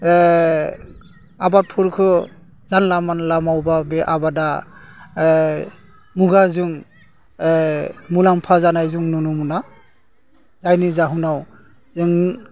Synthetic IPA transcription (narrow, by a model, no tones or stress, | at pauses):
abapʰuɾkʰɯ | zanlamanlamawbabɛʔabada | muɡazɯŋ | mulaŋpʰazanajzuŋnɔnumuna | zajnizaɦunaw | zɯŋ